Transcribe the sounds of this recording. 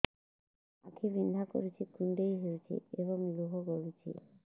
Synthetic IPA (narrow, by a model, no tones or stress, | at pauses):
a̰kʰibind̪ʱako̰ɾit͡ɕʰikuɳɖejɦeɾt͡ɕʰḭeβoŋluɦoɡolit͡ɕʰḭ